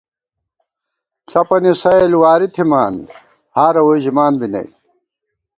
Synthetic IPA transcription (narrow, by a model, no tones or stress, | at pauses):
ɬɐpɐnisɐelwaːɾit̪ʰimaːn | haːɾɐwojʑimaːnbinɐ̰j